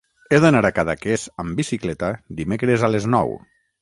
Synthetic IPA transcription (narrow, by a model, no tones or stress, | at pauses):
eðonaɾakaðakezəmbisiklɛt̪ad̪imekɾezaleznɔ̰w